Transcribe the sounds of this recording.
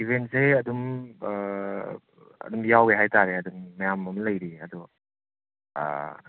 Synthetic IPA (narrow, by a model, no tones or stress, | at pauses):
ibʱentseɐdum | ɐ̰dumjaweɦajtaɾeɐdumːɐjamɐmlɐjɾiɐdɔ